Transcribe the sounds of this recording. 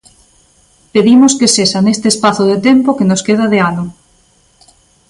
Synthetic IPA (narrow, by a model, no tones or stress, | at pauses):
peðimoskesesanest̪espaθoðet̪empokenoskeð̞aðeano